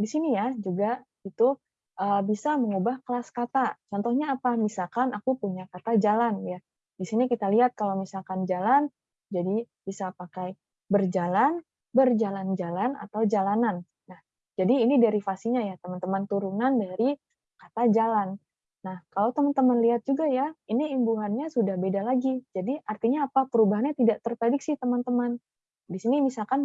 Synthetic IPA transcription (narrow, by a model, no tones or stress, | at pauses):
disinijad͡ʒuɡa | it̪u | ʔəbisaməŋubahkəlaskat̪at͡ʃɔnt̪ɔhɲaːpamisalkanakupuɲakat̪ad͡ʒalanja | disinikit̪aliɦat̪̚kalawmisalkand͡ʒalan | d͡ʒadi | b̥isapakaj | bərd͡ʒalan | bərd͡ʒaland͡ʒalana̰t̪awd͡ʒalananː | ah | d͡ʒadiːnidaɾifasiɲajat̪əmant̪əmant̪uɾunandaɾi | kat̪ad͡ʒalanː | ahkalawt̪əmant̪əmanliɦat̪̚d͡ʒuɡajainiimbuɦanɲasudahbedalaɡid͡ʒadiʔart̪iɲaːpapəɾubaɦanɲat̪idaʔt̪ərpɾediksit̪əmant̪əman | disinimisalkan